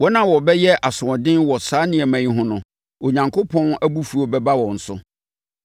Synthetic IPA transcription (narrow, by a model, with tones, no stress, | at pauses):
wɔ˦nã˦wɔ˨bɛ˦jɛ˦ʔa˨sʊ̃˨ɔ̃˨dɪ̃˦nwɔ˨saː˦nɪ̃˦ɛ˨mæ̃˨ĩ˦ɦʊ̃˦nʊ̃˨ | o˨ɲã˨ŋkʰo˦pʰɔ̃˦næ˦bu˦fu˨o˨bɛ˦ba˦wɔ̃˨n̩˨sʊ˦